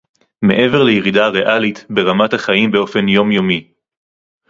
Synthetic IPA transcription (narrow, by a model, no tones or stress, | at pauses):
me̞̰ʔe̞ve̞ʁlejeʁidaʁeʔalitbe̞ʁamathaχajimbe̞o̞fe̞njo̞mjo̞mi